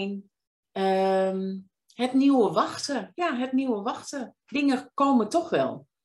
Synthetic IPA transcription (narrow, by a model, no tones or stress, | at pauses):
n | ə | hɛtniwəʋaxtəjaɦɛtniwəʋaxtə | dɪŋəkoːmətɔxʋɛ̰lˠ